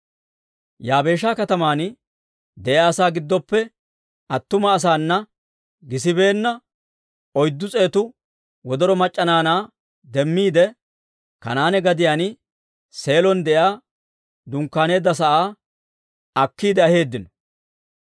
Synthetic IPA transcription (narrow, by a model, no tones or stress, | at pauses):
jaːbe̞ːʃaːkɐt̪ɐmaːnɪ | d̪ɛʔjaːsaːɡɪd̪ːɔpːɛ | ɐt̪ːʊmɐːs̬aːnːɐ | ɡɪs̬ɪbe̞ːnːɐ | ɔjd̪ːʊt͡sʼe̞ːt̪ʊ | wɔd̪ɔɾɔmɐt͡ʃʼːɐnaːnaː | d̪ɛmːiːd̪ɛ | kɐ̰naːnɛɡɐd̪ɪjaːn | se̞ːlɔnd̪ɛʔjaː | d̪ʊŋkːaːne̞ːd̪ːɐs̬ɐʔaː | ɐkːiːd̪ɛɐhe̞ːd̪ːɪnɔ̥